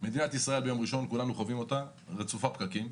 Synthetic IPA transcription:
me̞d̪inat̪isʁae̞lbejo̞mʁiʃo̞nkulanuχovimo̞t̪a | ʁet͡sufapkakim

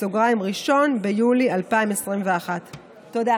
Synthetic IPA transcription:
soɡʁaimʁiʃo̞nbejulialpaimesʁimveaχat̪ː | od̪a

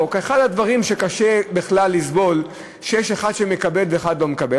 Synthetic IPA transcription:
okeχad̪had̪vaʁimʃe̞kaʃebeχlalːisbo̞l | ʃejeʃeχad̪ʃeme̞kabelveːχad̪lo̞mekabe

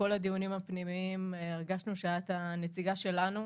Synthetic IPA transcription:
ko̞lad̪ijunimhapnimiimeʁɡaʃnuʃaat̪anet͡siɡaʃe̞lanu

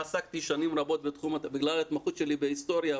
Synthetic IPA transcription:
asakt̪iʃanimʁabo̞t̪̚bet̪χumabiɡlalat̪maχut̪ʃe̞libeist̪o̞ɾja

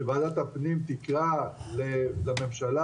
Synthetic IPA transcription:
evaːdat̪hapnimt̪ikʁalelame̞mʃala

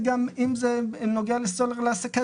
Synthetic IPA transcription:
ɡamimzenoɡealestoleʁleaseka

